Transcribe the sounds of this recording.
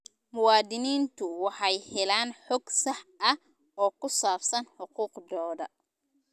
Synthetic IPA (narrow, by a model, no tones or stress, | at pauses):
mʊwɑːd̪ɪniːnt̪ʰʊwɑħɑjhɛlaːnħɔːɡsɑħʔɐh | ɔːkʰʊsaːfsɐnħʊquːqd̪ɔːðɐ